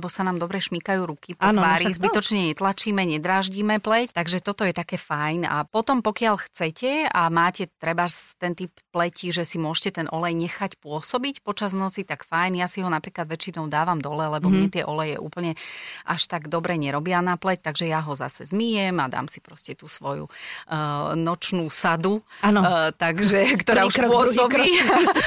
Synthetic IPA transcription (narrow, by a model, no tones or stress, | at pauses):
ɛbɔsanaːmd̪ɔbɾɛʃmikajuːɾukiaʋaːɾizbit̪ɔt͡ʃɲɛɲɛt̪lat͡ʃiːmɛɲɛd̪ɾaːʒɟimɛplɛct̪aɡʒɛt̪ɔt̪ɔjɛt̪akɛːfajna̰pɔt̪ɔmpɔkɪaʎxt͡sɛcɛamaːcɛt̪ɾɛbast̪ɛnt̪ipːlɛciʒɛsimʊɔʒcɛt̪ɛnʔɔlɛjɲɛxacpʊɔsɔbicpɔt͡ʃaznɔt͡sit̪akfajnjasiɦɔnapɾiːklad̪ʋɛt͡ʃinɔʊd̪aːʋamd̪ɔlɛlɛbɔmɲɲɛt̪ɪɛʔɔlɛjɛ̰ʔṵːpl̩ɲɛʔaʃt̪aɡd̪ɔbɾɛɲɛɾɔbɪanaplɛc̚t̪aɡʒɛjaɦɔza̰sɛzmijɛmad̪a̰ːmsipɾɔscɛt̪uːsʋɔjṵ | nɔt͡ʃnuːsad̪uat̪aɡʒɛkt̪ɔɾaːuʃpʊɔsɔbi